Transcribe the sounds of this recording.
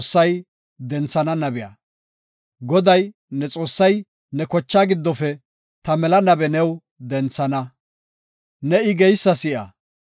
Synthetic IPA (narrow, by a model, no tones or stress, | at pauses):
sːɐj | d̪ɛnt͡sːɐnɐnɐbɪja̰ː | ɡɔd̪ɐj | nɛt͡sʼo̞ːsːɐj | nɛkɔt͡ʃːaːɡɪd̪ːɔfɛ | t̪ɐmɛlɐnɐbɛnɛw | d̪ɛnt͡sːɐnɐ | nɛɪɡɛjsːɐsɪʔɐ̰